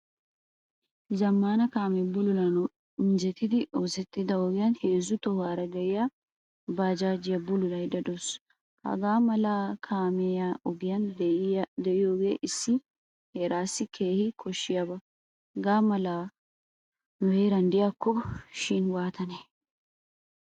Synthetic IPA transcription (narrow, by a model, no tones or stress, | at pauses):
zɐmːaːnɐkaːmɛbʊlʊlɐn | mɪnd͡ʒɛt̪ːɪd̪ɪoːsɛt̪ːɪd̪ɐɔɡɪjɐnhe̞ːzːʊt̪ɔwaːɾɐɡ̪ɛʔɪja | baːd͡ʒaːd͡ʒɪjɐbʊlʊlɐjd̪ɐd̪ɔs | hɐ̰ɡaːmɐlaːkʰaːmɛjaɔɡɪjɐn | d̪ɛʔɪjoːɡeːʔɪsːɪ | heɾaːsːɪkʰeːhɪkʰɔʃːɪjɐbɐ | hɐɡaːmɐlaː | nʊheːɾɐnd̪ɪjakːɔʃɪnwaːt̪ʰɐnɛ